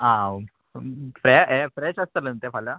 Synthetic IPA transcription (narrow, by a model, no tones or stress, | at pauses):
ã | fɾɛɛfɾɛɕəst̪ələnt̪ɛfala